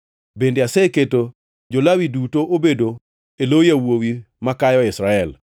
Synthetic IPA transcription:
bendeasɛketo | d͡ʒolawidutoʔobedo | elojawowi | makajɔɪsɾaɛl

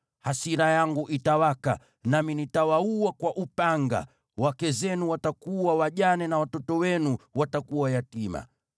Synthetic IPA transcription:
hasiɾajaŋɡuʔitawaka̰ | naminitawauakwaʔupaŋɡa̰ | wakɛzɛnuwatakuwawaʄanɛnawatɔtɔwɛnuwatakuwajatima̰

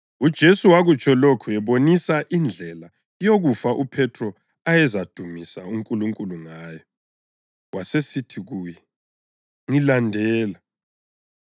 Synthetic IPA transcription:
ud̥ʒ̥ʱesuwaɣut͡ʃʰʼɔlokʰuɛβonisaʔind͡ɮʱɛla | joɣufaʔupʰɛtʰrɔ | ajɛzad̥ʱumisa̰uŋkʼuluŋkʼuluŋaːjɔ | wasesitʰiɣuːjɛ | ŋilandʱɛːla

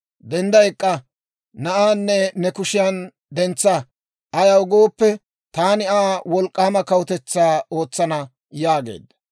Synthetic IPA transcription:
d̪ɛnd̪ɐjkʼːɐ | nɐʔaːnːɛnɛkʊʃɪjɐn | d̪ɛnt͡sːɐ | ɐjɐwʊɡoːpːɛ | t̪aːnɪaːwɔlkʼːaːmɐkɐwʊt̪ɛt͡sːaːo̞ːt͡sːɐnɐ | jaːɡḛːd̪ːɐ̥

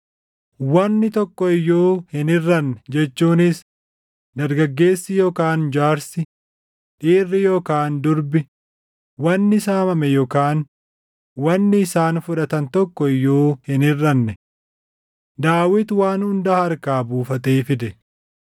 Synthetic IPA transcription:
wɐnːɪt̪ɔkːɔɪjoːhɪnɪrːɐnːɛd͡ʒɛt͡ʃːuːnɪs | d̪ɐɾɡɐɡːe̞ːsːɪjoːkaːnd͡ʒaːɾsɪ | ᶑiːrːɪjoːkaːnd̪ʊɾbɪ | wɐnːɪɪsaːmɐmɛjɔkaːn | wɐnːɪːsaːnfʊᶑɐt̪ɐnt̪ɔkːɔɪjːoːhɪnɪrːɐnːɛ | d̪aːwɪt̪waːnhʊnd̪ɐhɐɾkaːbuːfɐt̪ʼeːfɪd̪ɛ

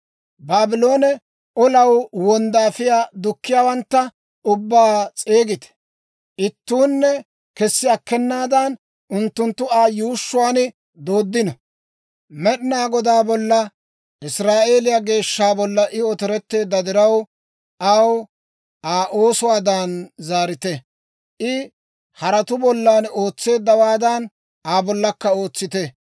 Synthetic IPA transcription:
baːbɪlo̞ːnɛ | ʔɔlɐwwɔnd̪aːfɪjaːd̪ʊkːɪjaːwɐnt̪ːɐ | ʊbːaːt͡sʼeːɡɪt̪ɛ̥ | ʔɪt̪ːuːnːɛ | kɛsːɪɐkːɛnːaːd̪ɐn | ʊnt̪ːʊnt̪ːʊaːjuːʃːʊwaːnɪ | d̪o̞ːd̪ːɪnɔ | mɛɗɪnaːɡɔd̪aːbɔlːɐ | ʔɪsɾaːʔe̞ːlɪjaɡe̞ːʃːaːbɔlːɐʔɪɔt̪ɔɾɛt̪ːe̞ːd̪ːɐd̪ɪɾɐw | ʔɐw | ʔaːʔo̞ːsʊwaːd̪anzaːɾɪt̪ɛ | ʔɪ | hɐɾɐt̪ʊbɔlːaːno̞ːt͡sːe̞ːd̪ːɐwaːd̪ɐn | aːbɔlːɐkːɐo̞ːt͡sːɪt̪ɛ

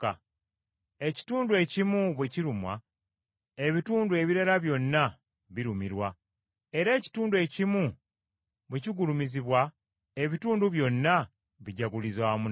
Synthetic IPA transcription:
a | e̞ci̥tuːndue̞cimuβweciɾumwa | eβituːndue̞βiɾaɾaβjo̞nːa | βiɾumiɾwa | e̞ɾe̞ːci̥tuːndue̞cimu | βweciɡulumiziβwa | e̞βituːnduβjo̞nːa | βiɟaɡulizwaːmun

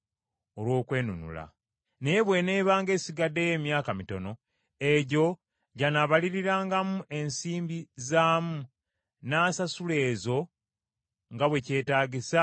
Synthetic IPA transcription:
olwo̞ːkwe̞ːnunṵla̰ | nejeβwe̞ne̞ːβaːŋɡe̞ːsiɡadːe̞jeːmjaːkamito̞no̞ | e̞ɟo̞ | ɟanaβaliɾiɾaːŋɡamuʔe̞nsiːmbizaːmu | naːsasule̞ːzo̞ | ŋɡaβwe̞ce̞ːtaːɟisa

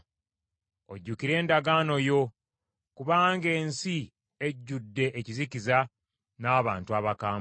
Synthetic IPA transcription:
oɟːukiɾe̞ːndaɡaːno̞jo̞ | kuβaːŋɡe̞ːnsi | eɟːudːe̞ʔeciziciza | naːβaːntuaβakaːm

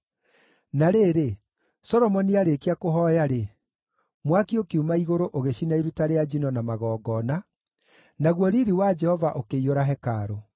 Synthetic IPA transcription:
naɾeːɾe | sɔɾɔmɔniaɾekeakoɦɔjaɾe | mwakiokeumaiɣoɾoʔoɣeɕinaiɾutaɾead͡ʒinɔnamaɣɔːɡɔːna | naɣwɔɾiɾiwad͡ʒɛhɔvaʔokeioɾaɦɛkaɾo

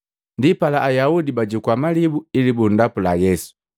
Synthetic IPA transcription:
ndipalaʔajaudibaɟukwamalibuilibundapulajɛsu̥

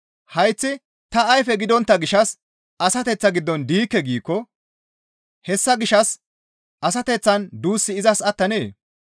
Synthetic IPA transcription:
hɐjt͡sːɪ | t̪ɐɐjfɛɡɪd̪ɔnt̪ːɐɡɪʃɐs | ɐsɐt̪ɛt͡sːɐɡɪd̪ːɔnd̪iːkːɛɡiːkːɔ | hɛsːɐɡɪʃɐs | ʔɐsɐt̪ɛt͡sːɐnd̪uːsːɪɪzɐsɐt̪ːɐnḛː

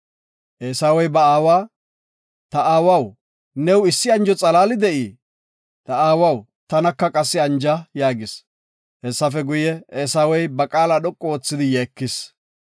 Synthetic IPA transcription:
ʔeːsawɔjbɐaːwaː | t̪ɐʔaːwɐw | nɛwɪsːɪɐnd͡ʒɔt͡sʼɐlaːlɪd̪ɛʔi | t̪ɐaːwɐw | t̪ɐnɐkːɐkʼɐsːɪɐnd͡ʒɐjaːɡɪs | hɛsːɐfɛɡʊjɛeːsaːwɔjbɐkʼaːlɐɗɔkʼːɔoːt͡sːɪd̪ɪjeːkːɪs

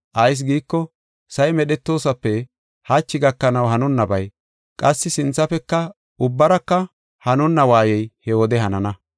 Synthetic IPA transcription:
ʔɐjs̬ɡiːkːɔ | sɐjmɛɗɛt̪ːo̞ːsɐpːɛ | hɐt͡ʃːɪɡɐkːɐnɐwhɐnʊnːɐbɐj | kʼɐsːɪsɪnt͡sːɐfɛkːɐ | ʊbːɐɾɐkːɐ | hɐnʊnːɐwaːjɛjhɛwɔd̪ɛhɐnɐnɐ

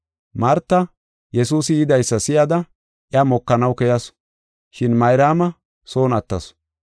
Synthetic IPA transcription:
mɐɾt̪ːɐ | jɛsuːsɪjɪd̪ɐjsːɐsɪjɐd̪ɐ | ʔɪjɐmɔkːɐnɐwkɛjɐs | ʃɪnmɐjɾaːmɐ | so̞ːnɐt̪ːɐs

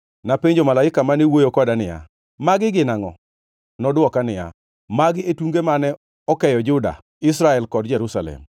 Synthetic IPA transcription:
napeɲd͡ʒomalaɪkamanewojokɔdanɪja̰ | maɡɪɡɪnaŋɔ̰ | nɔdwɔkanɪja̰ | maɡɪetuŋɡemanɛ | ɔkɛjɔd͡ʒʊda̰ | ɪs̬ɾaɛlkɔdd͡ʒɛɾusalɛ̰m

